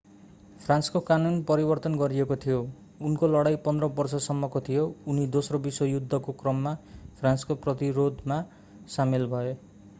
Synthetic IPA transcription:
pʰranskokanunpʌɾibʌrt̪ʌnɡʌɾiekot̪ʰijo | unkolʌɽajpʌnd̪rʌbʌrsʌsʌmːʌkot̪ʰijounid̪osrobiswʌjud̪ʱːʌkokrʌmːapʰranskoprʌt̪iɾod̪ma | samilbʱʌe

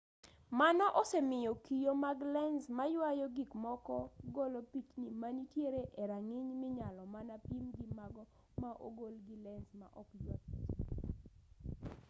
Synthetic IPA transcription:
manɔʔɔsɛmɪjɔkijomaɡlɛnsmajwajɔɡikmɔkɔɡɔlopit͡ʃnimanitjeɾeʔeɾaŋɪɲmɪɲalɔmanapimɡimaɡɔ | maʔo̰ɡolɡilɛnsma̰ʔɔkjwat̚pit͡ʃ

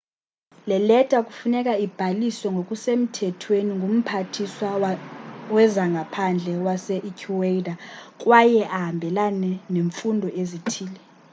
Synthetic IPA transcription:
lɛlɛtʼakʼufunɛkʼaib̥ʱalisɔŋɡʱokʼusem̩tʰɛtʰweniŋʱum̩pʰatʰiswa | wɛzaŋɡʱapʰand͡ɮʱɛwasɛʔikʰuweidakʼwajɛʔaɦambʱɛlanɛneɱfundʱɔʔezitʰiːlɛ

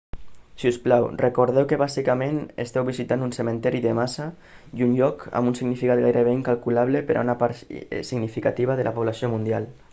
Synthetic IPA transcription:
siusplawrekoɾð̞ɛwkeβazikamẽnḛst̪ɛwβizit̪anunsemẽnt̪ɛɾiðemasa | junʎɔka̰mbunsiɡnifikat̪̚ɡajɾəβ̞eiŋkalkulaβlepeɾa̰unapaɾsiɡnifikat̪iβ̞aðelʔapoβlasiomund̪ialˠ

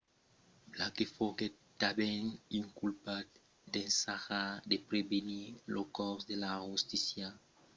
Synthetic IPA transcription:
blakefɔɡɛt̚ | dabɛŋĩŋkulpat̚ | dɛ̃nsaxadepɾebenilokɔsdelahostisja

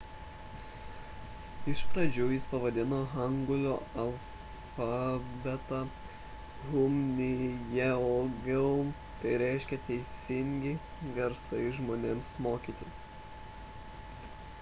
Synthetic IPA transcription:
ɪʃpɾɐd͡ʒʲujɪspɐʋɐd̪ʲɪnoːɣɐŋɡʊlʲoːɐlˠ | fɑbʲɛt̪ɑ | ɣʊmnʲɪjɛoɡʲɛʊ | t̪ɐɪɾʲæɪʃʲkʲɛt̪ʲɛɪsʲɪŋʲɡʲɪ | ɡʲɛɾsɐɪʒmoːnʲeːmsmoːkʲiːt̪ʲɪ

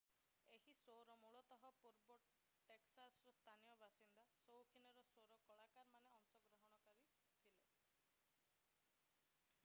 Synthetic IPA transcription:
eɦisoɾɔmuɭɔt̪ɔɦɔpuɾbɔʈ | ʈeksasɾɔst̪ʰanijɔbasind̪asowkʰinɔɾɔsoɾɔkɔɭakaɾmaneɔŋsɔɡɾɔɦɔɽ̃ɔkaɾi | t̪ʰile

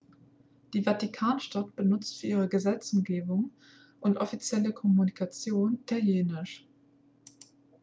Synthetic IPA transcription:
d̥iːvatikʰaːnʃtatb̥ənʊt͡stfyːʔiːʁəɡəzɛt͡sʊmɡeːbʊŋ | ʔʊntʔɔfit͡sjɛləkʰɔmunikʰat͡sjoːnɪtʰaljeːnɪʃ

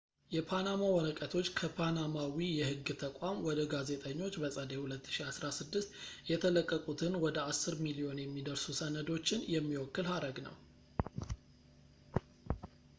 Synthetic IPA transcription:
jɛpʰanamawɔɾəkʼət̪ʰo̞t͡ʃːkʰəpʰanamawijɛhɨɡːɨt̪ʰəkʷʼamwɔd̪əɡaze̞t̪ʼəɲːo̞t͡ʃːbəsʼəd̪ehulət̪ːɨ̥ʃiasɾasɨd̪ːɨst̪jɛt̪ʰələkʼːəkʼut̪ʰɨnwɔd̪əasːɨɾmilio̞njɛmːid̪əɾsusənəd̪o̞t͡ʃːɪnjɛmːiwɔkːɨlhaɾəɡnə̰w

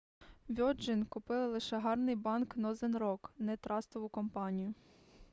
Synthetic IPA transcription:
ʋʲɔd͡ʒɪnkʊpɪlˠɪlˠɪʃɛɦɑrnɪjbɑnknɔzɪnɾɔknɛt̪ɾʔɑst̪ɔʋʊkɔmpɑnʲijʊ

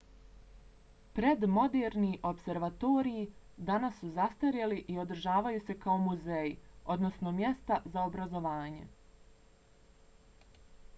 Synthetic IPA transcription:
pɾe̞d̪mo̞d̪eːɾniʔo̞pse̞ɾʋat̪o̞ːɾiji | d̪anasːuzast̪aɾjaliʔio̞d̪ɾ̩ʒaːʋajuse̞kaomuzejio̞d̪no̞sno̞mje̞st̪azao̞bɾazo̞ʋaːɲe̞̰

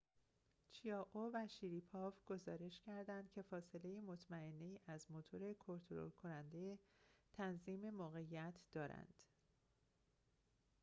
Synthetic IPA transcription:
t͡ʃʰiɒːʔovæʃiɾipʰɒːvɡ̥o̞zɒːɾe̞ʃcʰæɾd̪ænd̪̥̚cʰe̞fɒːse̞le̞jimo̞t̪ʰmæe̞nːe̞jiːʔæzmo̞t̪ʰo̞ɾe̞kʰo̞nt̪ʰoɾo̰lkʰo̞nænd̪ejet̪ʰænziːme̞moːɣe̞jːæt̪ʰd̪̥ɒːɾæ̰nd̪̥

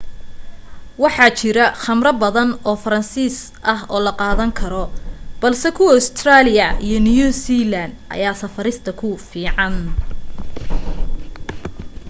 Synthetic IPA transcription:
wɑħɑːt͡ʃɪɾɐχɐmrɐbɐðɐnɔːfɐɾɐnsiːs | ʔɐɦɔːlɐqɑːðɐŋkʰɐɾɔb̥ɐlsɛkʰʊwɐʊst̪ʰraːlɪjɐijɞnɪjuːsilɐnd̪ʔɐ̰jaːsɐfɐɾɪst̪ʰɐkʰʊfiːʕɑn

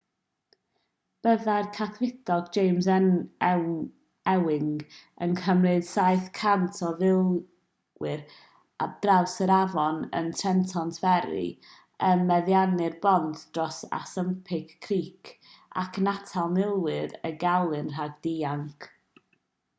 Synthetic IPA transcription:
b̥əðajrkʰaθwɪdɔɡ̚d͡ʒejmzɛn | ɛwɪŋɡənkʰəmrɨd̥saɨθkʰantʰɔðɪlˠ | wɪr | d̥rawsəɾavɔnə̰ntʰrɛntʰɔntʰvɛɾɨ̰ | ənmɛðjanɨrbɔndd̥rɔsa̰səmpʰɪkːʰriːkʰa̰kʰnatʰalˠmɪlˠwɪɾə̰ɡalˠɨnr̥aɡ̚d̥iaŋkʰ

